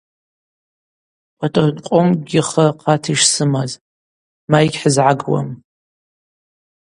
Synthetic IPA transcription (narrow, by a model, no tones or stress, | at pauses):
pʼatʼɨqʷʼʊmɡʲɪχaqʰatʰiʂsɨmaz | majɡʲħəzʕaɡwa̰m